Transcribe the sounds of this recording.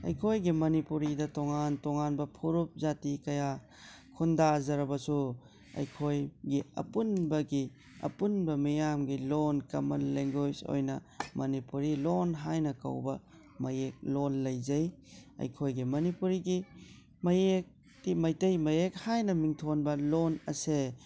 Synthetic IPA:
ɐ̰jkʰojɡimɐnipuɾidɐtoŋantoŋanbɐpʰuɾup̚zatikɐja | kʰundazɐɾɐbɐsu | ɐ̰jkʰojɡiɐ̰punbɐɡi | ɐ̰punbɐmijamɡilonkɐ̰mɐlːeŋɡojzo̰jnɐ | mɐnipuɾilonɦajnɐkɐ̰wbɐ | mɐjek̚lonlɐjzɐjɐ̰jkʰojɡimɐnipuɾiɡi | mɐjek̚ | timajtɐjmɐjek̚hajnɐmiŋtʰonbɐlonɐse

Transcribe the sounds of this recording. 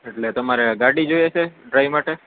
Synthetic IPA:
eʈlet̪əmaɾeɡaɽid͡ʒojet͡ʃʰeɖɾaiʋmaʈe

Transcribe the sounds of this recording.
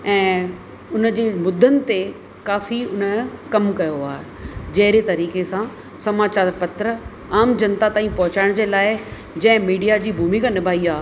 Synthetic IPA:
ɛ̃ː | ʊnə̆d͡ʑeːmʊd̪ʱːənɪ̆t̪e | kaːfiʊnəkɐmkɐjoaːd͡ʑɐɦɪɾet̪ɐɾiːkesã | sɐmaːt͡ɕaːɾpɐt̪ɾə | aːmd͡ʑɐnt̪at̪aːĩpɔɦʊt͡ɕaːɪɽ̃d͡ʑeːlaːɪ | d͡ʑɐ̃ɦɪ̃miːɖijad͡ʑiːbʱuːmikʰãnɪbʱaːiaː

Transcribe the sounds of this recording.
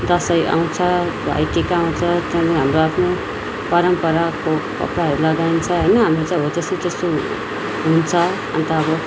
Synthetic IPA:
d̪ʌsʌjʔa̰w̃t͡sʰʌbʱa̰jkekaaw̃t͡sʰʌt̪ʌnɦamroapʰno | pʌɾʌmpʌɾakokʌ̰pɾaɦʌɾulʌɡaint͡sʰʌɦʌjnʌɦamrot͡sãĩɦod͡zʌseit̪est̪o | ɦunt͡sʰʌ | a̰nt̪aːbʌ

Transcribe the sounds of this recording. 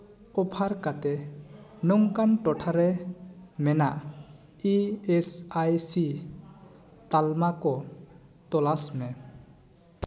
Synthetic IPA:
ɔpʰaɾkat̪ɛnɔŋkanʈɔʈʰaɾɛ | mɛnaʔ | iesajsi | t̪almakɔ | t̪ɔlasmɛ

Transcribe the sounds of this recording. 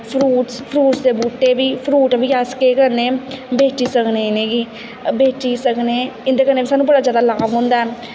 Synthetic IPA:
pʰɾuːʈspʰɾuːʈsd̪eːbuːʈːeːbiːpʰɾuːʈbʱiːaːskeːkəɾneːbeːt͡ʃiːsəkneːɪnẽːɡiː | beːt͡ʃiːsəkneːɪnd̪eːkəɾneːbisaːnːũːbəɽaːzjaːd̪aːlaːʋɦʊ̃ːnd̪aːɛː

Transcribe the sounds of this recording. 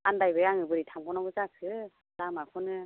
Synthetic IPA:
andajbɯjaŋɯbɯɾitʰamɡɔnɔɡɯzakʰɯ | damakʰɔnɯ

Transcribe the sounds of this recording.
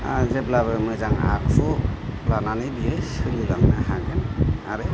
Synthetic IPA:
azeblaβɯmɯzaŋa̰kpʰulananɯbiɯsɯlɯlaŋnaɦaɡɯna̰ɾɯ

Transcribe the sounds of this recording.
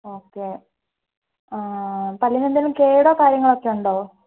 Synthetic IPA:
oːkːe | apɐljɐnend̪ɐlumke̞ːjuɽɐkaːɾjɐŋːɐɭo̞kːe̞uɳɖoː

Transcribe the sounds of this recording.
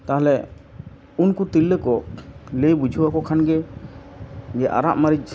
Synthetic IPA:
t̪aɦalɛ | unkut̪ilːəkɔlejbud͡ʒʱuwakɔkʰanɡɛ | ɡɛʔa̰ɾaʔmaɾid͡ʒ

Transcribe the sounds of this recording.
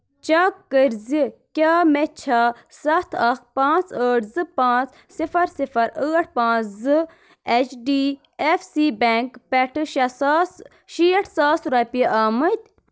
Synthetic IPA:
t͡ʃaːkkəɾzikʲaːmet͡ʃʰa | sɐt̪ʰɐxpãːt͡səːʈʰzɨpãːt͡s | sifɐɾsifɐɾəːʈ̚ʰpãːt͡szɨ | et͡ʃʰɖiː | efsiːbeŋkpeʈʰɨʃs | ʃiɐʈʰsaːsɾɐpiaːmɐt̪ʲ

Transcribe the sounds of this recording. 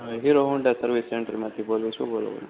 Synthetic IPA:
ɦiɾoɦuɳɖasəɾʋisːeɳʈɾimãt̪ʰibolũt͡ʃʰubolo̰ʋ̰nu

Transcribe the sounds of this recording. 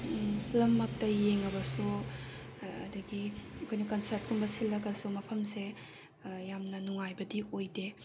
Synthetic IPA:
pʰilɐmːɐk̚tɐjeŋɐbɐsu | ɐ̰dɐɡiɐkʰojnɐkɐnsɐɾt̚kʰumbɐsilːɐɡɐsumɐpʰɐmse | jamnɐnuŋajbɐdiojde

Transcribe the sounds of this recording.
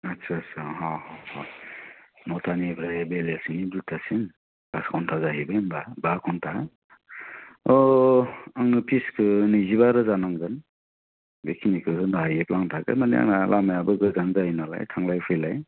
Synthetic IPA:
atsʰɯasɯɦɔhɔhɔ | mɔtʰanibɾajbelesnibzutʰasin | kaskʰɔntʰazahibanbabakʰɔntʰa | ɔ | aŋnɯpʰiskʰɯnɯziβaɾɯzanaŋɡɯn | bḛkʰinikʰɯkɯndaɦajep̚laŋtʰakɯ̰maniʔa̰ŋnalamajabɯɡɯzanzainala̰jtʰaŋlajpʰɯlaj

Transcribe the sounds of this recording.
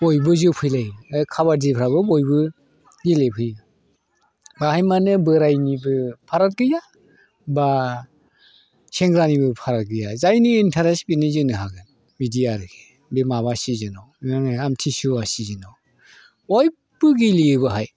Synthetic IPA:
bɔjbɯzɯwpʰɯjlajɯkʰaβaɾdipʰɾabɯbɔjbɯ | ɡilepʰɯja | bahajmanɯbɯɾajnibɯpʰaɾat̚ɡɯja | ba | seŋɡɾanibɯpʰaɾat̚ɡɯjazajniːntʰaɾesbinizɯnɯɦaɡɯn | midijaɾɯkʰe̥ | bemaβasizɯnawanɯamtʰisuasizɯnaw | ɔj | bɯɡilijɯbɯɦaj

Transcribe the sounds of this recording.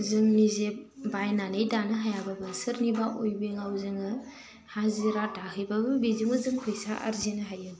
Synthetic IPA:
zɯŋnizebajnanɯjdanɯɦajababɯsɯɾnibaʔojbeŋawzɯŋɯ | haziɾadahɯjbabɯbizɯŋɯzɯŋpʰɯjsaʔa̰ɾzenɯɦajɯ

